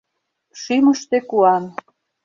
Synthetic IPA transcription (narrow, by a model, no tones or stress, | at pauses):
ʃyməʃt̪ekuɑn